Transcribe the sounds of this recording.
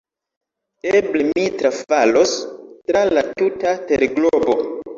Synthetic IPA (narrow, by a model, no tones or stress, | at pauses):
eblemitɾafalostɾalatutateɾɡlobo